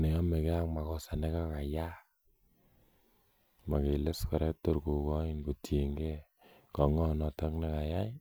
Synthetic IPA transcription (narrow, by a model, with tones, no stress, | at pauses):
ne˨jɔ˦me˨ke˦a˦ŋma˨kɔ˦sa˨ne˦ka˦ka˨ja˦ | ma˨ke˨le˦skɔ˨ɾɛ˦k̚to˦ɾko˨kɔ˦i˦nko˨te˨ŋɡɛ˦ | kɔ˨ŋɔ˦nɔ˨tɔ˦kne˦ka˨ja˦